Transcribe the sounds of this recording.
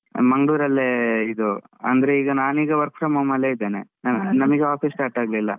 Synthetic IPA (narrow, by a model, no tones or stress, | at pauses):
mɐŋɡɭuːɾɐlːeid̪u | ɐ̰nd̪ɐɾeiːɡɐnaːniːɡɐʋɐɾkpʰɾɐmɐmɐlːeid̪ːeːnḛnɐnɐmɐɡeaːpʰisːʈaːɾʈaːɡlilːɐ̰